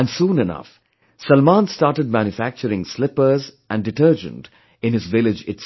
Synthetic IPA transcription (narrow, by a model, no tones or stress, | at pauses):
æ̃nsũːnɪnʌ̰f | sʌlmãnstaːɾʈəɖ̚mæ̃njufæk̚t͡ʃəɾɪ̃ŋslɪpə˞zʔæ̃nɖɨʈəɾd͡ʒə̰̃nʈ | ɪ̃nɪzʋɪlɪd͡ʒɪts